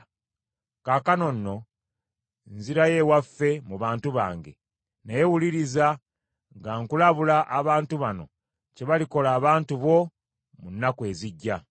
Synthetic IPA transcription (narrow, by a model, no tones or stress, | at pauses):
kaːkano̞nːo̞ | nziɾaje̞wafːe̞muβaːntuβa̰ːŋɡe̞̰ | najewuliɾiza | ŋɡaŋkulaβulaʔːβaːntuβano̞̰ | ce̞βaliko̞laːβaːntuβo̞ | munːakwe̞ːziɟːa